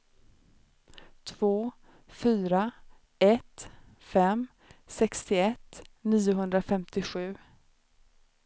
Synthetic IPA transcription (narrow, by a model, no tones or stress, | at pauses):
t̪ʰvoː | fyːɾa | ɛt̪ | fɛm | sɛkst̪ɪɛt̪niːʊɦɵnd̪ɾafɛmt̪ɪɧʉ̟ː